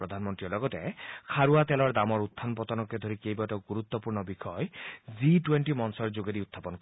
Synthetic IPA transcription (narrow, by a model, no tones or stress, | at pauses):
ɾɔd̪ʱanmɔnt̪ɾiɔɾlɔɡɔtekʰaɾuat̪elɔɹd̪amɔɾut̪ʰːanpɔt̪ɔnɔked̪ʱoɾikejbatɔɡuɾut̪ːɔpuɹnɔbikʰɔjziʈweɳʈimɔnsɔɹd͡ʒoɡeɾiut̪ʰːapɔnk